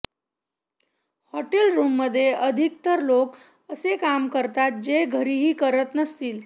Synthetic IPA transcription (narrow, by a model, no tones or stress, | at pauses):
hɔʈelɾumːəd̪ʱːjeʔəd̪ʱik̚t̪əɾlok | əsekamkəɾt̪at̪̚d͡ʑeɡʱəɾiɦiːkəɾət̪nəst̪iːl